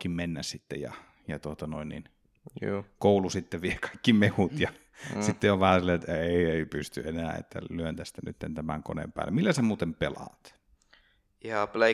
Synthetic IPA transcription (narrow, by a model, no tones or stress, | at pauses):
kimmenːæssit̪ːḛjjɑ̰ | jɑt̪uot̪ɑno̰inːḭn | oːkoˑulusit̪ːeʋiekɑikːimehut̪jɑ | sit̪ːeoʋʋæhæsilːɑet̪ːæeˑieˑipyst̪yenæːḛt̪ːæ̰lyønt̪æst̪æny̰t̪ːḛnt̪æmæŋko̰nḛmpæ̰ːlːemilːæsemuːt̪empelɑ̰t̪ | ihɑple